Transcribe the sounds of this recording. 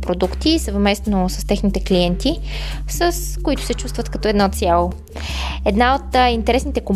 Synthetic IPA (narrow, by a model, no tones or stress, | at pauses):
pɾod̪ukt̪isəvmɛst̪nosəst̪ɛxnit̪ɛkliɛnt̪isəskoit̪ʊ̥sɛt͡ʃust̪vət̪kɐt̪ɔɛd̪nɔt̪sʲjalˠo | ɛd̪naot̪int̪ɛɾɛsnit̪ɛkom